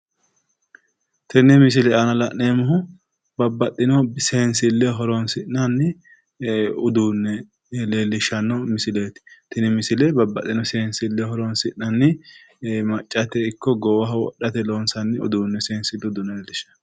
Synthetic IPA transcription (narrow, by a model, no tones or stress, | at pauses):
t̪ɛnːɛmɪs̬ɪlɛʔɐnɐlɐʔneːmʊɦʊ | bɐbːɐt̪ʼːɪnɔseːnsɪlːɛɦɔɾɔnsɪnnɐnːɪ | ʊd̪uːnːɛ | leːlːɪʃːɐnːɔmɪsɪleːt̪ɪ̥t̪ɪnɪmɪsɪlɛbɐbːɐt̪ʼːɪnɔseːnsɪlːɛhɔɾɔnsɪʔnɐnːɪ | mɐt͡ʃʼːɐt̪ɛɪkːɔɡɔwɐɦɐwɔ̰ɗɐt̪ɛloːnsɐnːɪʊ̰d̪uːnːɛseːnsɪlːɛʊd̪ʊnːɛleːlːɪʃɐ̥n